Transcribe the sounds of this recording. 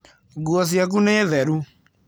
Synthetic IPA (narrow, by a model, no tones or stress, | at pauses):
ɡuɔs̬jak̬uneðɛɾu